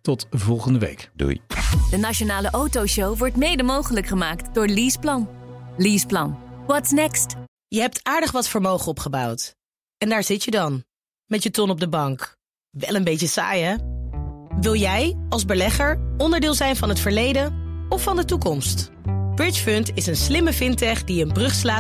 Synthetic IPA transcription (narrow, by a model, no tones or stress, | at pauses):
tɔtvɔlˠχəndəʋḛjkdṵjd̥ənaʃonaːləʔowtowʃowʋɔɹtmejdəmowχələkχəmaːktdʊːɹliːsplɑnliːsplɑnʋɔtsnɛkst | jəɦɛp̚tʰaːɹdəχʋɑtfəɹmowχənɔpχəbɑwt | ɛndaːɹzɪtjədɑn | mɛtjətɔnɔb̚dəbɑŋk | ʋɛlənbejtəsa̰ːjɛ | ʋɪlˠjɛjɑlˠzbəlɛχəɹɔndəɹdɪːlˠzɛjnvɑnɦətfəɹlejdənɔfːɑndətukɔmst | b̥ɹɪt͡ʃføntɪsənslɪməvɪntɛχdiənbrɵχslaː